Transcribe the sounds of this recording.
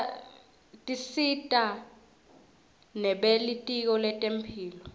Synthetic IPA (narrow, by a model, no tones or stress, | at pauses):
tʼisitʼa | nɛɓelitʼik̬ɔlɛtʼempʰiːlɔ